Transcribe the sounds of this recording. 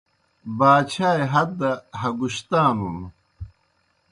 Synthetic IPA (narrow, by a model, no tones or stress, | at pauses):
baːt͡ɕʰaːjɦɐt̪ːɐɦɐɡuɕt̪aːnum